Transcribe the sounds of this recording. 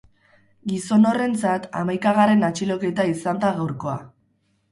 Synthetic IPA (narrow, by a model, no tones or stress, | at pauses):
ɡiso̞no̞re̞nt͡sat̪a̰majkaɣaɾe̞nat͡ʃilo̞ke̞jt̪aisand̪aɣawɾko̞a̰